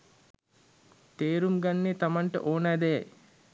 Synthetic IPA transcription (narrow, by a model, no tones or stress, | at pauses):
t̪eːɾumɡanːet̪amaɳʈə̰ʔoːnəːd̪əja̰j